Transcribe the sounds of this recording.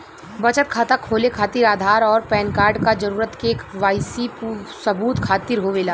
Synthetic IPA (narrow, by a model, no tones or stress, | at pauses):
bɐt͡ʃət̪̚kʰat̪akʰːoːlekʰaːt̪iɾaːd̪ʱaːɾɔːɾpɛːnkaːɾɖkad͡ʒɐɾuːɾət̪keːkʋaːɪsipusɐbuːt̪kʰaːt̪ɪɾɦoʋeːlaː